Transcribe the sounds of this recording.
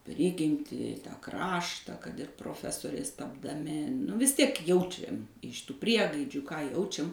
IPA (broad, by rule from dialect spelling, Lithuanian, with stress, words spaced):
ˈpʲrʲɪɡʲɪmʲtʲiː ˈkrɑːʃtɐ kɐt ɪr proːˈfʲæːsoːrʲɛɪs tɐbdɐˈmʲɪ nʊ ˈʋʲɪs ˈtʲiɛk ˈjɛʊt͡ʃʲɛm ɪʃ ˈtuː ˈpʲrʲiɛɡɐɪd͡ʒʲuː kɑː ˈjɛʊt͡ʃʲɛm